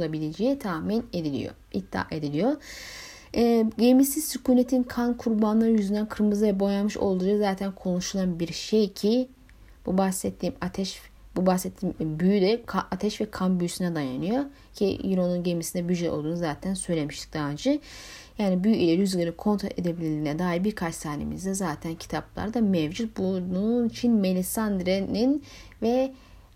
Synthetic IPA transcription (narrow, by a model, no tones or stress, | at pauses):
lˠabilʲed͡ʒejit̪ʰaːmine̞d̪ilʲḭjo̰it̪ʰːa̰ːʔe̞d̪ilʲijo | ɛːɟemisizsyculʲet̪ʰinkʰankʰuɾbanlˠaɾɯjyzynd̪ænkʰɯɾmɯzɯvɛbo̞janmɯʃo̰lˠd̪uɯzaːt̪ʰænkʰo̞nuʃulˠanbiɾʃejcʰi | b̥ubasɛt̪ʰːiːmat̪ʰɛʃ | bubasɛt̪ʰːiːmbyjyd̪ɛkʰaat̪ʰɛʃvɛkʰambyysynɛd̪aja̰nɯjo̞ | cʰḭiɾo̞nunɟemisind̪ɛbyd͡ʒɛolˠd̪uːnuzaːt̪ʰænsø̞jlʲe̞miʃt̪ʰi̥k̚d̪̥aand͡ʒɯjaːnibyjilʲeɾyzɡeɾikʰo̞nt̪ɾo̰ʔed̪ebilʲilʲiːinɛd̪aːɦiɾbiɾkʰat͡ʃsʰaːnḛmḭzd̪ɛzaːt̪ʰæncʰi̥t̪ʰaplˠa̰ɾd̪amɛvd͡ʒut̪̚bununit͡ʃʰinme̞lʲisand̪ɾenin | vɛ